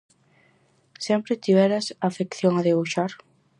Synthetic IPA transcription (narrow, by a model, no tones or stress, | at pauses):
sɛmpɾɪt̪iβɛɾɐsafekθjoŋaðeβuʃaɾ